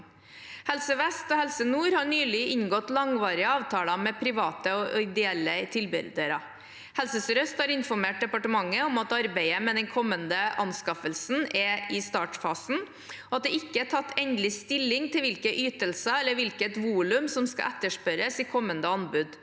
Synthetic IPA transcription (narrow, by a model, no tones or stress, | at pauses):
hɛlsəʋɛst̪ɔhɛlsənuːɾhɑɳyːlɪɪnɡɔt̪lɑŋʋɑːɾɪəɑːʋt̪ʰɑːlɑmɛpʰɾɪʋɑːt̪əɔɪd̪ɪɛlːət̪ʰɪlbɪ̰ɾd̪əɾɑ | hɛlsəsɾœst̪hɑɾɪnfɔɾmeːʈ̚d̪ɛpɑʈəmɑŋːəɔmɑt̪ɑɾbæɪəmɛd̪ɛnkʰɔmːənd̪əʔɑ̰nskɑfəlsn̩ʔɛɪst̪ɑːʈfɑːsn̩ | ɔɑt̪̚d̪ɛɪkːəæʈʰɑt̪ːɛnd̪lɪst̪ɪlːɪŋt̪ʰɪlʋɪlkəʔyːt̪əlsəɛlːəɾʋɪlkət̪ʋuːlʉmsɔmskɑ̰ʔɛt̪ːəʂpœɾəsɪkʰɔmːənd̪əɑnbʉd̪